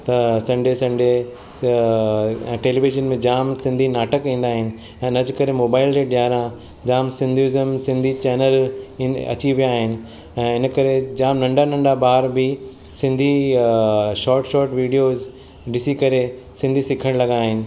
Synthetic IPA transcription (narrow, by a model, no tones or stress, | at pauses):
t̪ɐsɐ̃ɳɖesɐ̃ɳɖe | ɛ̃ːʈeːliʋɪʒənmẽd͡ʑaːmsɪ̃nd̪ʱinaːʈəkĩːnd̪aːɦɪnɪ̆ | ɛ̃ːɪnɐd͡ʑkɐɾemoːbaːɪld͡ʑeɖjaːɾã | d͡ʑaːmsɪ̃nd̪ʱuɪzəmsɪ̃nd̪ʱit͡ɕɛːnəl | ɐ̰t͡ɕiʋijaːɦɪnɪ̆ | ɛ̃ːɪnəkɐɾed͡ʑaːmnɐ̃ɳɖanɐ̃ɳɖabaːɾbɪ | sɪ̃nd̪ʱi | ʃɔːɾʈʃɔːɾʈʋiːɖijoːz | ɖɪsikɐɾe | sɪ̃nd̪ʱisɪkʰəɽ̃lɐɡaːɦɪnɪ̆